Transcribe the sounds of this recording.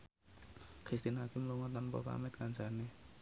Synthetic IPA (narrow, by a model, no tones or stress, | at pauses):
kɾist̪inakɪmluŋɔt̪ɔnpɔ̰pa̰mɛt̪̚kansane